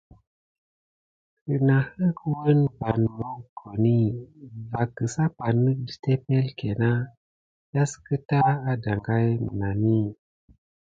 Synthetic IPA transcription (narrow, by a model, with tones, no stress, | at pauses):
kə˨na˨hə˦kwə˦nba˨nmo˦kɡo˨ni˦va˨kːə˨sa˦pa˨nːə˦k̚də̥˨te˦pe˦lke˨na˦ | ja˦skə˦ta˦a˦da˨ŋɡa˦jmə̰˨na˨ni˦˨